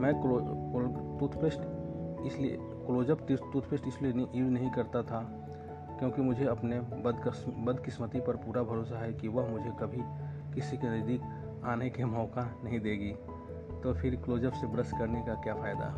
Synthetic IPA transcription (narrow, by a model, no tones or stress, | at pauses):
mɛ̃ːolt̪ut̪ʰpesʈɪsli | kloːd͡ʒəpt̪ɪt̪uːt̪ʰpeːʃʈɪslienʔiːɾnɐɦĩkɐɾt̪at̪ʰa | kjõːkimʊd͡ʒʱeɐpnebd̪bɐd̪kɪsmət̪ipɐɾpuːɾabʱɐɾoːsaɦɛkiʋɐɦmʊd͡ʒʱekɐbʱi | kɪsikenɐzd̪iːk | aːnekemɔːkanɐɦĩd̪eːɡiː | t̪opʰɪɾkloːd͡ʒəpsebɾəskɐɾnekakjaːfaːɪd̪a̰